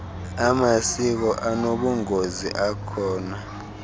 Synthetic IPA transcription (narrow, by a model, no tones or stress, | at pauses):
amasik̬ɔʔanoɓuŋozḭʔakʰɔːna